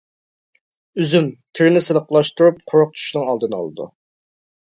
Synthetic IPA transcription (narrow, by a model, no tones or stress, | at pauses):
yzymt̪ʰɪɾnɪselˠəqəlˠɑʃt̪uɾup̚qʰʊɾʊq̚t̪ʰy̥ʃnɨŋɑlˠd̪ɨnɑ̰lˠɨd̪ṵ